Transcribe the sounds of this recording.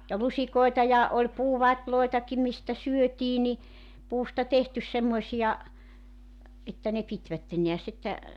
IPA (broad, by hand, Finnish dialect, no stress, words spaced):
jɑ lusikoetɑ jɑ olʲ puːʋɑtʲloetɑki mistæ syøtiː ni puːstɑ tehtys semːoĕsijɑ etːæ ne pitʋætːen ne̝æs etːæ